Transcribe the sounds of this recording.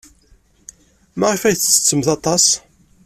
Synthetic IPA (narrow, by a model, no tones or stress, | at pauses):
mæʁifæjθsə̥t͡sːəmθɑt̪ˤɑs